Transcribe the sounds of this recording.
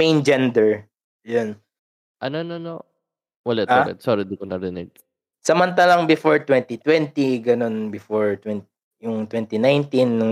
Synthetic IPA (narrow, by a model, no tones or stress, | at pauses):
ejnd͡ʒɛnd̪ɛɹ | jon | ʔɐnonono | wɛlɛt̪ʔaɛ̰t̪soɾid̪ikonɐɾɪnɛɡ̚ | sɐmɐnt̪alɐŋbɪfoɹt̪wɛnt̪it̪wɛnt̪iɡɐno̞nbɪfoɹt̪wɛnt̪ | jʊŋt̪wɛnt̪inajnt̪inːʊŋ